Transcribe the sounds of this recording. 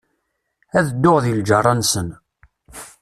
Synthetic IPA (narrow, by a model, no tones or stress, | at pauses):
æðəd̪ːoʁðild͡ʒərˤːɑnsən